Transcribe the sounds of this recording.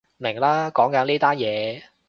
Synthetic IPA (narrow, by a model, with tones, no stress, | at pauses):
mɪ˨˩ŋlaː˥kɔː˨˥ŋkɐ˨˧˥nliː˥t̪aː˥njɛː˨˧